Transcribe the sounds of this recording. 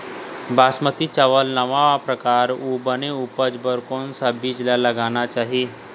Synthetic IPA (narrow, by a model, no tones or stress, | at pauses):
basmət̪it͡ɕəʋəlnəʋapɾəkaɾubəneupəd͡zbəɾkonsabiːd͡ʑlaləɡañat͡ʃaɦi